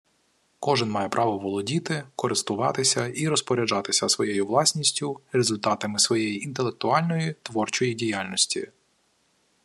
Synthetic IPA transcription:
kɔʒɪnmɑjɛpɾʔɑʋɔʋɔlˠɔdʲit̪ɪkɔɾɪst̪ʊʋɑ̰t̪ɪsʲɐiɾɔspɔɾʲɐd͡ʒɑt̪ɪsʲɐsʋɔjejʊʋlˠɑsʲnʲisʲtʲʊrezʊlʲt̪ɑt̪ɐmɪsʋɔjejiʔint̪elˠe̞k̚t̪ʊɑlʲnɔjit̪ʋɔrt͡ʃɔjidʲijalʲnɔsʲtʲḭ

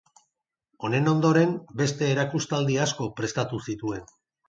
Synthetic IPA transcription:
o̞ne̞no̞nd̪o̞ɾe̞mbe̞st̪e̞ːɾakust̪ald̪iasko̞pɾe̞st̪at̪usit̪ue̞n

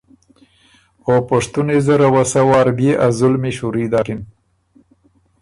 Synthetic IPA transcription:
opaʂt̪unezaɾawasawɑːɾbeʔazʊlmiʃuɾid̪akin

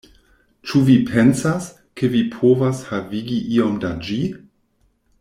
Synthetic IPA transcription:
t͡ʃuvipʰensas | kʰevipʰovashaviɡiʔiomdad͡ʒi

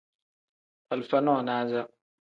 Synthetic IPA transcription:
ʔalfananaːza

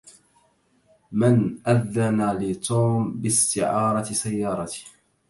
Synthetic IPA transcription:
mɪnʔaðːanalɪt̪ˤʰuːmbɪst̪ɪʕɑːɾˤɑsajːɑːɾˤɑt̪ɪ̥h

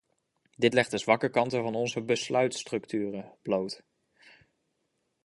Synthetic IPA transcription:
dɪtlɛχtəzʋɑkəkɑntəvɑnɔnzəbəslœɥtstrɵktyːrəb̥lowt

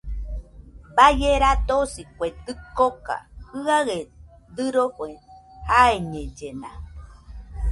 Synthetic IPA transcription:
bajeɾat̪osikʷet̪ɨkoka̰ɨaɣe | d̪ɨɾokʷehaeɲẽd͡ʒena

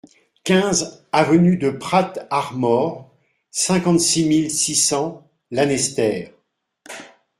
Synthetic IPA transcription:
kʲɛ̃zavənyd̪əpχat̪aʁmɔʁ | sɛ̃kɑ̃t̪similsisɑ̃ | lanɛst̪ɛːʁ

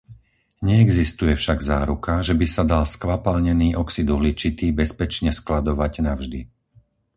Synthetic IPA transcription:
ɲɛɛɡzist̪ujɛfʃaɡzaːɾukaʒɛbisad̪alskʋapalɲɛniːʔɔksid̪uɦlit͡ʃit̪ibɛspɛt͡ʃɲɛsklad̪ɔʋaɟnavʒd̪i

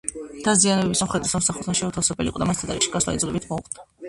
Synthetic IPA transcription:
d̪̥azianɛbɛbisamχɾɛt̪ʼisamsaχut̪ʰaʃɛut̪ʰafsɛbɛlḭqʼɔd̪amast̪ʰat̪aɾiʃi̥ɡaslˠa̰id̪zlɛbit̪ʰmɔṵχʼa

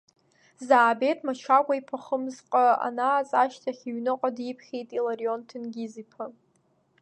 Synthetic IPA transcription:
zaːbe̞tʼʰmat͡ʃʷʰakʷaipʰaχəmzqʼaa̰naːt͡sʼaʃtʰaχʲiɥnɨqʼadipʰχʲejtʼilaɾio̞ntʰɨnɡʲizipʰa

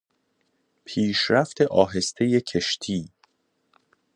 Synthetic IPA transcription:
pʰiːʃɾæft̪ʰe̞ʔɒːɦe̞st̪ʰe̞jecʰe̞ʃt̪ʰiː

